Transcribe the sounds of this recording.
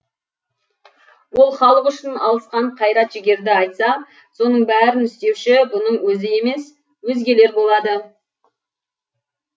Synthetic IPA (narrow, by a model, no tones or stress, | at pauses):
wo̞lˠχɑlˠəqʏʃɪnɑ̰lˠəsqɑɴqʰɑjɾɑt̪ʒ̥ɪɡʲe̞ɾd̪ɪɑjt̪sɑ | so̞nəɴbæɾɪnɪst̪e̞wʃɪbʊnəɴwɵzɪe̞me̞s | wɵzɡʲe̞le̞ɾbo̞lˠɑd̪ə